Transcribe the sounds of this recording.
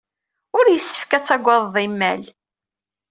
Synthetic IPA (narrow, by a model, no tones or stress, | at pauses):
ʊɾjəsːə̥fkæt͡sːæɡʷːɑððˤimːæl